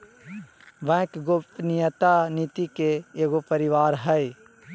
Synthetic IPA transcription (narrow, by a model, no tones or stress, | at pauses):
ʋɛ̃kɡopnijət̪aniːt̪ikeeːɡopəɾɪʋaːɾɦɛj